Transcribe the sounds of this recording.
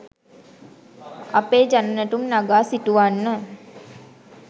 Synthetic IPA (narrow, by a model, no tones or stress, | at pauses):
apeːd͡ʒanənəʈumnaɡaːsiʈuʋanːə